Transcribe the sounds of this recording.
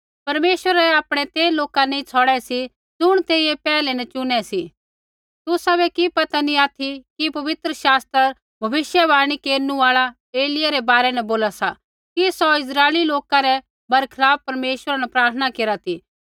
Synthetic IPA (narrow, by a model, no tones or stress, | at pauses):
pɐɾmeːʃwəɾaaːpɽ̃ɛt̪eːloːkanɛĩt͡sʰɔɽɛsi | d͡zʊɽ̃t̪eːiepɛːlɛnɛt͡ʃʊnɛsi | t̪ʊsabɛkipɐt̪aniaːt̪ʰikipɐʋɪt̪ɾəʃaːst̪ɾəɾ | bʱɐbɪʃjabaːɽ̃ikeːɾnũaːɭa | eːlɪjaɾɛbaːɾɛnɛboːlasa | kisɔɪs̬ɾaːeliloːkaɾɛ | bɐɾkʰɪlaːb̚pɐɾmeːʃwəɾanɛpɾaːɾt̪ʰənakeːɾat̪ʰiː